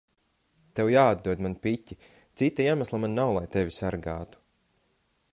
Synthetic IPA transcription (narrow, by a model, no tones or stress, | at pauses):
t̪ewjaːad̪̚d̪uɔd̪manpicʲːi | t̪sit̪ajemaslˠamannawlˠajt̪evʲisaɾɡaːt̪u̥